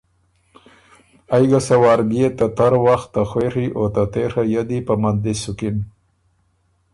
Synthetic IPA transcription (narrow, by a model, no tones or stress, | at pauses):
ajɡasawɑːɾbiet̪at̪aɾwaxt̪ːaxweɾiʔot̪at̪eɾajad̪ipamand̪isʊkin